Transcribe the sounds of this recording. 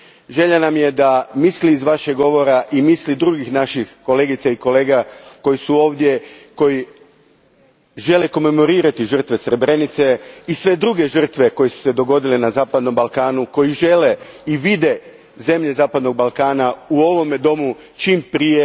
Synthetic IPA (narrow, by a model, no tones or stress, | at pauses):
ʒe̞ʎanamje̞d̪amisliːzʋaʃeɡo̞ʋo̞ɾaʔimislid̪ɾuɡixnaʃixko̞le̞ːɡit̪saiko̞le̞ːɡako̞jisuo̞ːʋd̪je̞ko̞ji | ʒe̞le̞ko̞me̞mo̞ɾiːɾat̪iʒr̩t̪ʋe̞sɾe̞bɾe̞nit̪se̞isʋe̞d̪ɾuɡe̞ʒr̩t̪ʋe̞ko̞jesu̥se̞d̪o̞ɡo̞d̪ilenazaːpad̪no̞mbalˠkaːnuko̞jiʒe̞le̞ | iʋid̪e̞ | ze̞mʎe̞zaːpad̪no̞ɡ̚balˠkaːnauo̞ʋo̞med̪o̞mu | t͡ʃimpɾije